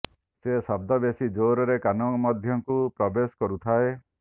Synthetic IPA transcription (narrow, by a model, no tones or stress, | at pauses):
sesɔb̚d̪ɔbesid͡ʒoɾɔɾekanɔmɔd̪ʱjɔŋkupɾɔbesɔ̥kɔɾut̪ʰae